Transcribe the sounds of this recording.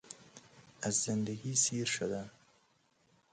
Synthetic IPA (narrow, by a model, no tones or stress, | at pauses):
azːɪnd̪aɡisiɾʃod̪a